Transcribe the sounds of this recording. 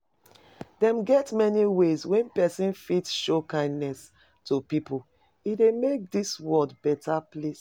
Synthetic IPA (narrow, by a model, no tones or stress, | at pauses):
dɛ̃mɡɛtmɛniwezwɛ̃npɛsĩnfitʃokãɪ̃ndnɛs | tupipul | idemek̚diswɔdbɛtʰaples